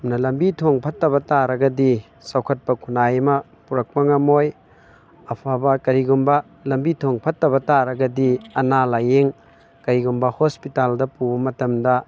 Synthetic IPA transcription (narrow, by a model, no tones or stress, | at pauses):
mnɐlɐmbitʰoŋpʰɐtːɐbɐtaɾɐɡɐdi | sawkʰɐt̚pɐkʰunajɐmɐ | puɾɐk̚pɐŋɐmoj | ɐpʰabɐkɐɾiɡumbɐ | lɐmbitʰoŋpʰɐtːɐbɐtaɾɐɡɐdiɐnalajeŋ | kɐɾiɡumbɐhospitaldɐpubɐmɐtɐmdɐ